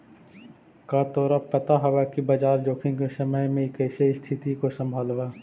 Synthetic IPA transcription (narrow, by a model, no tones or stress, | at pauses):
kaːt̪ɔːɾapɐt̪aɦɐʋakibɐd͡ʒaːɾd͡ʒoːkʰɪ̃ŋkesɐməjmẽkɛːsest̪ʰɪt̪ikosɐ̃mbʱaːlʋaː